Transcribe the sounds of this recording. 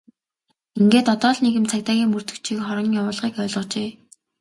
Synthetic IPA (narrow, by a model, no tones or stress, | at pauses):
iŋɡeːt̪ɔt̪ɔːɮneɣɘ̆mt͡sʰakʲt̪aːɣʲiːŋmɵr̥t̪ɵ̆kt͡ɕʰiːkχɔɾɞ̆ŋjawʊːɮʁiːkœːɮʁɞ̆t͡ɕeː